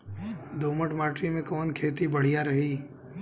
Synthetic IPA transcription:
d̪oːməʈmaːʈɾimẽkɔːnkʰeːt̪ibɐɽ̤ijaɾɐɦi

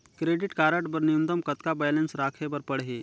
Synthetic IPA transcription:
kɾeːɖɪʈkaːɾəʈbɐɾnijũnd̪əmkɐt̪kabajlensɾaːkʰebɐɾpɐɽɦe

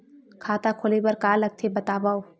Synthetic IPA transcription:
kʰaːt̪akʰolebɐɾkaːlɐɡ̚t̪ʰebɐt̪aːbao

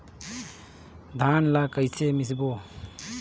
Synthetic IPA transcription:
d̪ʱanlakəjsʰemis̬bo

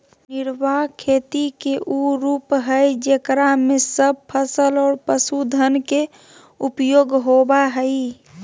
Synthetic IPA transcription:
niɾbakʰet̪ikeʔuɾuːpɦəjd͡ʒekɾamesəb̚pʰəsəlɔːɾpəsud̪ʱənke | upjoɡɦobaɦəi

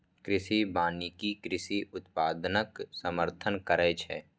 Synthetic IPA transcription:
kɾɪsibaːnikikɾɪsiʔʊt̪paːd̪nəksəməɾt̪ʰənkəɾɛːt͡ʃʰɛ̰ː

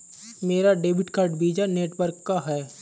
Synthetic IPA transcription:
meːɾaɖeːbɪʈkaːɾʈbiːd͡ʒaneːʈʋəɾkːaɦɛː

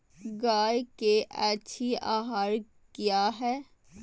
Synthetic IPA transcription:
ɡaːjkeʔɛːʃʰiaːɦaːɾ | kjaːɦɛː

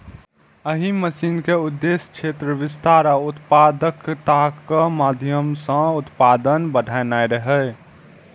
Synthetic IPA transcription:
əɦiməsiːnkeʊd̪ːeskʃʰet̪ɾəʋɪst̪aːɾaʊt̪paːd̪əkt̪akəmaːd̪ʱjəmsə̃ʊt̪paːd̪ənbəɖʱaːjnaːeɾəɦɛ

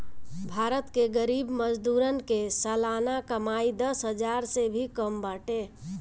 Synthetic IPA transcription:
bʱaɾət̪keɡəɾibməd͡ʒd̪uɾənkesəlanakəmaid̪əsɦəd͡ʒaɾsebʱikəmbaʈe

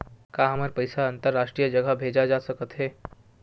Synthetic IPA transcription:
kaːɦəməɾpəɪsaənt̪əɾːaːʃʈɾijəd͡ʒəɡəbʱeːd͡ʒad͡ʒasəkət̪ɦɛː

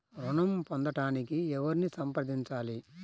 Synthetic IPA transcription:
ɾuɳɐmpond̪ɐʈaːnikiɛʋɐɾinisɐmpɾɐd̪iɲt͡ʃaːli

